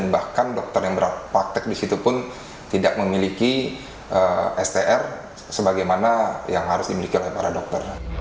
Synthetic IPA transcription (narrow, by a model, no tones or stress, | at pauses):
bahkandɔk̚t̪ɔrjaŋbəɾat̪̚pak̚t̪ɛk̚disit̪upʊn | t̪idak̚məmiliki | ʔəɛst̪eʔɛr | səbaɡajmanajaŋhaɾʊsdimilikiolaipaɾadɔk̚t̪ɔr